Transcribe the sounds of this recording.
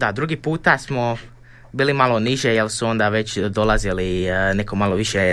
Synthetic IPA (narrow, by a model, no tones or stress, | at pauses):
d̪ad̪ɾuɡipuːt̪asmo̞ | biːlimalˠo̞niʒejelsuo̞nd̪aʋe̞t͡ɕd̪o̞lˠaziline̞komalo̞ʋiʃe